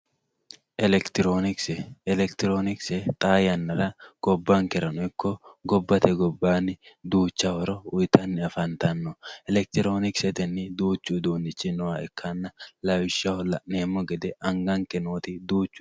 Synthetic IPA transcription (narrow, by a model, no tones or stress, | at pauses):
ʔɛlɛkt̪ɾonɪksɛlɛkt̪ɪɾoːnɪksɛt̪ʼaːjɐnːɐɾɐɡ̥ɔbːaŋkɛɾɐnʊɪkːɔɡɔbːɐt̪ʰɛɡɔbːaːnɪd̪uːt͡ʃːɐhɔɾɔʊjt̪ɐnːɪɐfɐnt̪ɐnːɔɛlɛk̚t̪ɪɾoːnɪksɛt̪ɛnːɪd̪uːt͡ʃːud̪uːnɪt͡ʃːɪnɔwaɛkʰːɐnːɐlɐwɪʃɐhɔlɐʔneːmːɔɡɛd̪ɛɐŋɡɐŋkɛnoːt̪ɪd̪uːt͡ʃːʊ̥